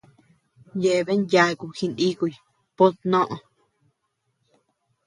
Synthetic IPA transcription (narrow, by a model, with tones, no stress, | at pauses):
je˧ʔe˨βe˦nja˧e˧ku˧xi˧ni˦ku˨j | po˦t̪nõ˦ʔõ˨